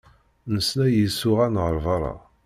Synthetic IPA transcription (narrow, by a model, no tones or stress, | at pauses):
nəsnæjisːʊʁænʁəɾˤvɑɾˤɑ̰